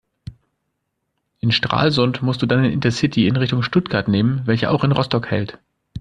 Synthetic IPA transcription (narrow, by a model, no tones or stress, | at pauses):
ʔɪnʃtʁ̥a̰ːlzʊntmʊstd̥uːdanɪnʔɪ̰ntɐsɪtʰiɪnʁɪçtʊŋʃtʊtɡ̥aɐtneːmənvɛlçəʔa̰ʊxɪnʁɔstɔkhɛ̰lt